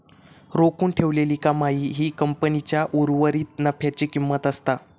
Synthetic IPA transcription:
ɾokuːɳʈʰeʋleliːkamaɦiːɦiːkəmpənit͡ɕjaʔuɾʋəɾiːt̪̚nəfjat͡ɕikimːət̪əst̪a

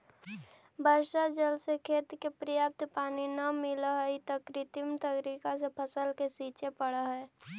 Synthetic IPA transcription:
bəɾʃad͡ʒəlsekʰeːt̪kepɾəjap̚t̪paːninəmɪlɦɛit̪əkɾɪt̪imt̪əɡɾikasepʰəsəlkesiːt͡ʃepəɽəɦɛː

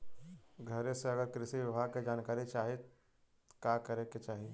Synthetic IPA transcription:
ɡʱɐɾeseɐɡəɾkɾɪsiʋɪbʱaːɡ̚ked͡ʒaːnkaːɾit͡ʃaːɦet̪ | kakəɾeket͡ʃaːɦie

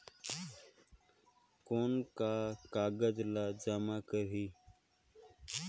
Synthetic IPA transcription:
koːnkaːkaːɡəd͡ʒlaːd͡ʒaːmaːkəɾiː

